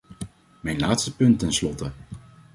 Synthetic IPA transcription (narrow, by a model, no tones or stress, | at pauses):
mɛjnlaːtstəpɵntɛnslɔtə